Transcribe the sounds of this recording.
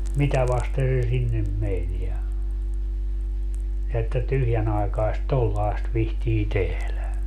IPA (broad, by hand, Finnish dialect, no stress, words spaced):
mitæ ʋɑste se sinːem men jɑ jɑ etːæ tyhjænɑekɑest tolːɑest ʋihtiː tehlæ